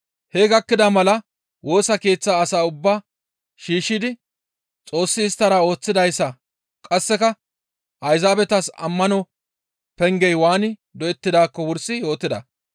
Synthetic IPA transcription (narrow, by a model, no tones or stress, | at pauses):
hɛɡɐkːɪd̪ɐmɐlɐ | wo̞ːsɐke̞ːt͡sːaːsaːʊbːaː | ʃiːʃːɪd̪ɪ | t͡sʼo̞ːsːɪːst̪ːɐɾaːo̞ːt͡sːɪd̪ɐjsːɐ | kʼɐsːɛkɐ | ʔɐjzaːbɛt̪ɐsɐ̰mːɐnɔ | pɛŋɡɛjwaːnɪd̪ɔɛt̪ːɪd̪aːkːɔwʊɾsɪjo̞ːt̪ːɪd̪ɐ̰